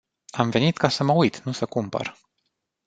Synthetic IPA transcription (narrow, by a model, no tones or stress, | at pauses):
amve̞nit̪kasəməujt̪nusəkumpə̰r